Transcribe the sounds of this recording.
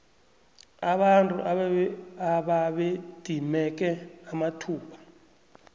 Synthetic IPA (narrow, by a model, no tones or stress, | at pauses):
aɓantʼṵʔa | aɓaɓed̥ʱimɛk̬ɛamatʰuːpʰḁ